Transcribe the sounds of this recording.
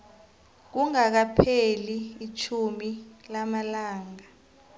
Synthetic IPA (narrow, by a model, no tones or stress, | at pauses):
k̬uŋak̬apʰeliːt͡ʃʰumilamalaːŋa